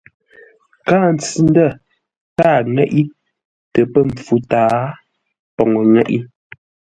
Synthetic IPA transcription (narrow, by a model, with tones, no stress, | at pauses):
kaː˦˨n˨t͡si˨n˦də˦˨ | kaː˦˨ŋɛ˦ʔi˦ | tə˨pə˦m̩˨fu˨taː˦ | pɔ˨ŋɔ˨ŋɛ˦˨ʔi˦